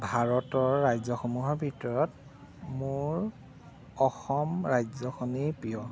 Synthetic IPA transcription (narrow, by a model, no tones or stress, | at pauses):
bʱaɹɔtɔɹːajzɔxɔmuɦɔɹbʱitɔɹɔt | mʊɹ | ɔxɔmɹajzɔxʰɔnipijɔ